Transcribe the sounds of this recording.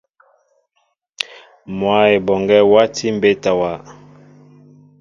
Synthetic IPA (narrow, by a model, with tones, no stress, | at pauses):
mwa˦e˨bɔ˨ŋɡɛ˦wa˦tʰi˦m˦be˦ta˨wa˨